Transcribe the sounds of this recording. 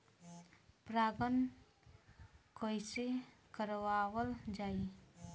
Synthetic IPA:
pɾaɡʌn | kɔjse | kəɾwawəld͡ʒaj

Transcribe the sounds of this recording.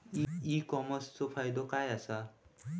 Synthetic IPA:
iikɔmɔst͡sɔpʰajd̪ɔkajasa

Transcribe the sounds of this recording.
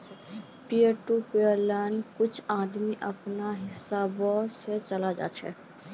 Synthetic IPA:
pijəɾʈupeəɾlankut͡ʃʰad̪miʔəpnaɦisabɔset͡ʃəlad͡ʒa̰t͡ʃʰɛ̰

